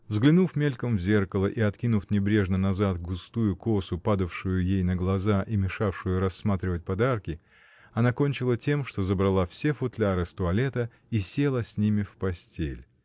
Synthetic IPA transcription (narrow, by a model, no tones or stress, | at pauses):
vzɡlʲɪnufmʲelʲkəmvzʲe̞rkəlˠəʔiɐt̪kʲinʊfnʲɪbɾʲe̞ʐnənɐzat̪ɡʊst̪ujʊko̞sʊpad̪əfʂʊjʊjejnəɡlˠɐzaʔimʲɪʂafʂɨjʊɾɐsːmat̪ɾʲɪvət̚ʲpɐd̪arkʲɪ | ɐnako̞nʲt͡ɕɪlˠətʲemʂt̪o̞zəbɾɐlˠafsʲefʊt̪lʲaɾɨst̪ʊɐlʲe̞t̪ə | isʲe̞lˠəsʲnʲimʲɪfpɐsʲtʲḛlʲ